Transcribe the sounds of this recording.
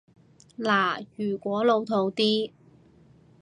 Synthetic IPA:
laː˨˩jyː˨˩kʷɔː˨˥lo˨˧wt̪ʰo˧wt̪iː˥

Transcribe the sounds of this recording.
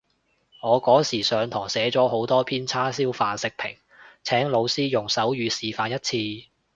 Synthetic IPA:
ŋɔː˨˧kɔː˨˥ŋsiː˨˩sœː˨˧ŋt̪ʰɔː˨˩ŋsɛː˨˥t͡sɔː˨˥ho˨˥wt̪ɔː˥pʰiː˥nt͡sʰaː˥siː˥wfaː˧nsɪ˨k̚pʰɪ̰˨˩ŋ | t͡sʰɛː˨˥ŋlo˨˧wsiː˥jʊ˨˩ŋsɐ˨˥wjyː˨˧siː˨˩faː˨˧njɐ˥t̚t͡sʰiː˧

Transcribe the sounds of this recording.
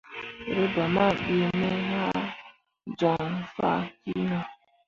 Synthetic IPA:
ɾe˦ba˨ma˦˨bi˦me˦ha˦ | d͡ʒɔ˨ŋ˨fa̰˦ki˦na˨

